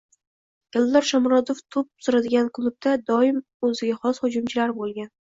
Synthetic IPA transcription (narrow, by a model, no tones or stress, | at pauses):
ɡ̥ʲalˠːɒɾʃamɾɒd̪oft̪ʰʊp̚sʊɾad̪ɪɡʲankʰlˠʊb̚d̪ad̪ɒɪm | ɵzɪɡʲaχɒshʊd͡ʒʊmt͡ʃʰɪlaɾbolˠɡʲan